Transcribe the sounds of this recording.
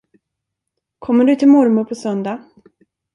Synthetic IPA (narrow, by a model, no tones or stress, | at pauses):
kʰɔmːəɖɵt̪ʰɪlmɔɾmʊɾpʰɔsœnd̪a